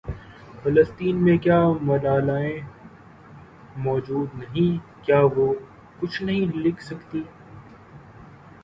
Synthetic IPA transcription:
fɐləst̪iːnmẽkjaːmɐɾaːlaːẽ | mɔːd͡ʒuːd̪nɐɦĩkjaːʋo | kʊt͡ʃʰnɐɦĩlɪkʰsɐkt̪iː

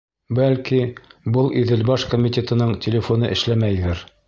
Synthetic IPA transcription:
bælkibɤlˠʔiðɘ̆lbɑʃkomʲit̪ʲet̪ɤ̆nɤɴtʲʰelʲɪfonɤʔɘ̆ʃlæmæjðɘɾ

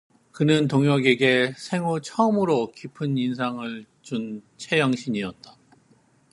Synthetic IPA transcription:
kɯnɯntoŋjʌɡe̞ɡe̞sʰe̞ŋot͡ɕʰʌʌmɯɾokipʰɯninsʰaŋɯɭ | t͡ɕunt͡ɕʰe̞jʌŋɕʰiɲiʌt̚t͈ḁ

